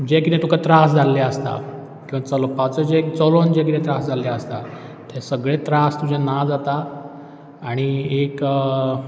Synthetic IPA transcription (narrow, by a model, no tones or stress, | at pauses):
d͡ʑekit̪ẽt̪ukʰat̪ɾasd͡zʱalːɛəst̪a̰ | kĩʋat͡sɔlɔpat͡sɔd͡ʑekt͡sɔlond͡ʑek̬it̪ẽt̪ɾasd͡zʱalːɛəst̪a̰ | t̪ʰesəɡɭẽt̪ɾast̪ud͡ʑʱɛnad͡zat̪aː | ɽ̃iek